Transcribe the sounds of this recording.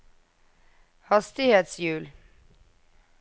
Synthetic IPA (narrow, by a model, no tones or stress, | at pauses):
hɑst̪ɪheːt̪sjʉːl